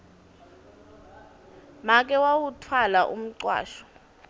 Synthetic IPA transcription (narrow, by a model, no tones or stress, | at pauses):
mak̬ʼɛwawutʰwalaʔṵm̩ǀwa̰ːʃɔ̥